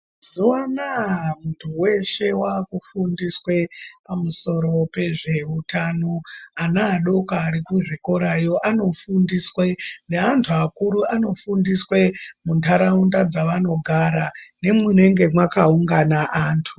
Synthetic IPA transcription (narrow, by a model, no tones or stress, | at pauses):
zowanamuntʰuwe̞ʃe̞wakufundiswe̞pamuso̞ɾo̞pe̞ʐe̞utanoanaːɗo̞kaːɾikureko̞ɾajo̞ʔano̞fundisweneantʰuakuɾuano̞fundiswe̞muntaɾaundad͡zaʋano̞ɡʱaɾane̞mine̞ŋɡe̞mwakauŋɡanaʔaːntʰu̥